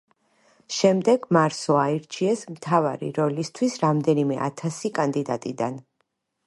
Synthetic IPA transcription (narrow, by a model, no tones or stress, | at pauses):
ʃɛmd̪ɛɡmaɾsɔaiɾt͡ʃʰiɛsmt̪ʰava̰ɾḭɾɔlist̪ʰwisɾamd̪ɛnimɛ̰ʔa̰t̪ʰasikʼand̪id̪at̪ʼid̪an